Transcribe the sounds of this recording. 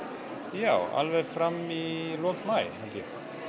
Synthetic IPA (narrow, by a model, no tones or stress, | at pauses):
jaːwa̰lvɛðfɾamilɔŋt̪maːjhɛlt̪jɛ